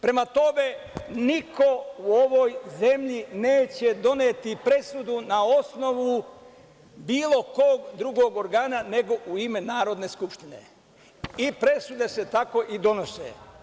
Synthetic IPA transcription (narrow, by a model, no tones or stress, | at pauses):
pɾe̞mat̪o̞me̞niko̞uo̞ʋo̞jze̞mʎine̞ːt͡ɕe̞d̪o̞neːt̪ipɾe̞sud̪unao̞sno̞ʋu | biːlˠo̞koːɡd̪ɾuɡo̞ːɡoɾɡaːnane̞ɡo̞ʔuime̞naːɾo̞d̪ne̞ːskupʃt̪ine̞̰ | ipɾe̞sud̪e̞se̞t̪ako̞ːʔid̪o̞nosḛ